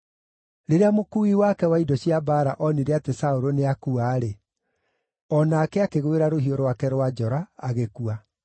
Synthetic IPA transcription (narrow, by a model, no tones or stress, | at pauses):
ɾeɾeamokuiwakɛwaidɔɕiabaɾaʔɔneɾeatesaoɾoneakuaːɾe | ɔnaːkɛakeɣweɾaɾoɦioɾwakɛɾwad͡ʒɔɾaːɣekua